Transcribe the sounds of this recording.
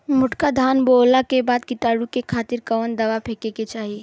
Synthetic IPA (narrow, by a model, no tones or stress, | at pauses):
mʊʈkad̪ʱaːnboːlakebaːd̪kit̪aːɽukekʰaːt̪ɪɾkəʋənd̪əʋapʰekeket͡ʃaːɦie